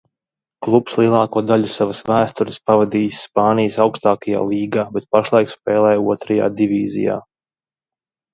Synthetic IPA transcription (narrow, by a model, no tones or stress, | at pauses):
klˠupslˠiɛlˠɑːkuɔd̪aʎusavasvæːst̪uɾɪspavad̪iːsʲːpaːnijəsawkst̪aːkaja̰ːlˠiːɡaːbɛt̪̚paʃlˠajkspɛːlˠɛːjuɔt̪ɾaja̰ːd̪ivʲiːzḭja̰ː